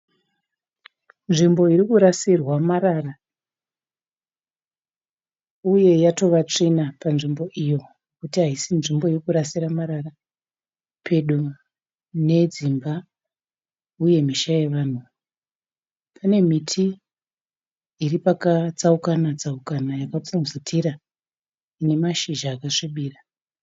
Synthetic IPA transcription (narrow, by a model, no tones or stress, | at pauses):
nʐimbo̞iɾikuɾasirwamaɾara | uje̞jato̞ʋat͡ʂinapanʐimbo̞ʔijo̞ | kutiɦaisinʐimbo̞irikuɾasiɾamaɾara | pʰe̞ɗu | ne̞d͡zimba | uje̞miʃaje̞ʋan̤u | pʰane̞m̤itʰi | iripakat͡saukanat͡saukanajakat͡sumzitʰiɾa | ine̞maʃiʒaːkaʂiɓiːra